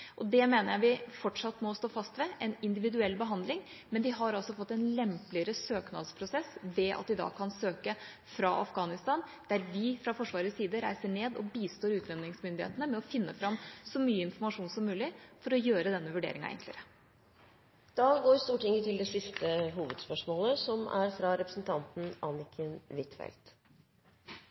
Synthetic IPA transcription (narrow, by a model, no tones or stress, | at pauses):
ʔɔd̪ɛmeːnəɾjæɪʋɪfɔʈʂɑt̪ːmɔst̪oːfɑst̪ʋɛʔɛnɪnd̪ɪʋɪd̪ʉɛlːbəɦɑnd̪lɪŋ | mɛnd̪ɪɦɑɾɑlsɔfɔt̪ːɛnlɛmplɪəɾəsøːknɑ̰d̪spʰɾʊsɛsʋɛʔɑ̰t̪̚d̪ɪd̪ɑ̰ːkʰɑnsøːkə | fɾɑʔɑfɡɑːnɪst̪ɑːnd̪̥æɾʋɪfɾɑfɔʂʋɑːɾəsiːd̪əɾæɪsəɳeːd̪ɔ̰biːst̪oːɾʉːt̪ʋ̪ɛnɪŋsmʏnd̪ɪhḛːt̪ənəmɛɔfɪnːəfɾɑmsɔmyːəɪnfɔɾmɑʂuːnsɔmːʉːlɪfɔɾɔjøːɾəd̪ɛnːəʋʉɖḛːɾɪŋɑ̰ɛ̰ŋkʰlɪ̰əɾə | d̪̥ɑɡoːɾst̪uːʈɪŋət̪ʰɪld̪ɛsɪst̪əɦuːʋəd̪spœʂmoːləsɔmæ̰ɾfɾɑɾɛpɾəsnt̪ʰɑnt̪n̩ɑnɪkʰənʋɪt̪fɛ̰lt̪